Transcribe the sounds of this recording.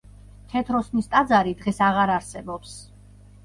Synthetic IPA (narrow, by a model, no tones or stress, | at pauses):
t̪ʰɛt̪ʰɾɔsnist̪ʼad̪zaɾid̪ʁɛsaʁaɾaɾsɛbɔps